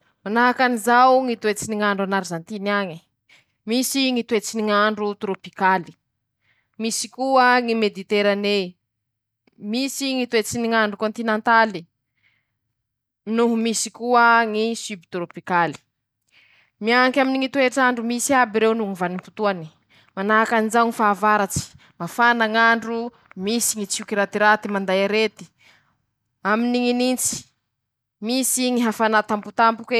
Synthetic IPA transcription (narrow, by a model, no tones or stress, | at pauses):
manaɦakanizawŋit̪uet͡siniŋaɳɖ͡ʐanaɾizant̪iniaŋi̥ | misiŋit̪uet͡siniŋaɳɖ͡ʐut̪ɾopikali̥ | misi̥kuəŋimed̪it̪eɾane | misiŋit̪uet͡siniŋaɳɖ͡ʐukõnt̪inẽnt̪ali | minuɦumisikuəŋisybit̪ɾopikali̥ | miaŋkaminiŋit̪ueʈ͡ʂaɳɖ͡ʐumisiabiɾewnuŋivanimput̪uani̥ | manaakanizawŋifaːvaɾat͡si̥ | mafanaŋaɳɖ͡ʐu | misiŋit͡sukiɾat̪iɾat̪imand̪ajaɾet̪i̥ | aminiŋinint͡si̥ | misiŋiɦafanat̪amput̪ampuke